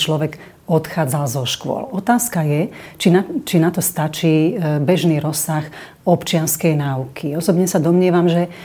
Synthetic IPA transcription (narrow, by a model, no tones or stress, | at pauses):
t͡ʃlɔʋɛɡ | ɔt̪xaːd͡zalzɔʃkʊɔ̰lɔt̪aːskajɛt͡ʃinat͡ʃinat̪ɔst̪at͡ʃiːbɛʒniːɾɔsːax | ɔpt͡ʃɪanskɛjnaːukʰiɔsɔbɲɛsad̪ɔmɲɪɛʋamʒɛ